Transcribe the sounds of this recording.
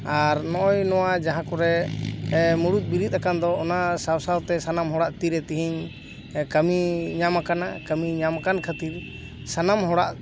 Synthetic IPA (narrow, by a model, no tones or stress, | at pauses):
aɾnɔʔɔjnɔwad͡ʒaɦãkɔɾɛ | muɽut̪̚ˀbiɾit̪̚ˀakand̪ɔɔnasawsawt̪ɛsanamɦɔɽaʔt̪iɾɛt̪iɦiɲ | kəmiɲamakanakəmiɲamakankʰət̪iɾ | sanamɦɔɽaʔ